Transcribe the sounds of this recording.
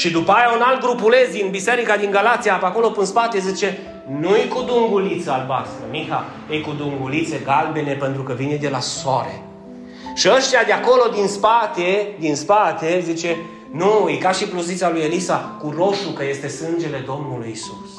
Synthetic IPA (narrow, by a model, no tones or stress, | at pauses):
ʃid̪upajaunalt̪̚ɡɾupule̞zd̪inbise̞ɾikad̪iŋɡalat̪sijapakolo̞pɨnspat̪e̞zit͡ʃe̞ | nujkud̪uŋɡulit̪səalba̰st̪ɾəmixa | ejkud̪uŋɡulit̪se̞ɡalbe̞ne̞pe̞nt̪ɾukəvined̪e̞lasoaɾḛ | ʃiəʃt̪ejad̪eako̞lo̞d̪inspat̪ed̪inspat̪e̞zit͡ʃe̞ | nuijkaʃiplozit̪salujelisakuro̞ʃukəje̞st̪e̞sɨnd͡ʒe̞le̞d̪o̞mnulujisus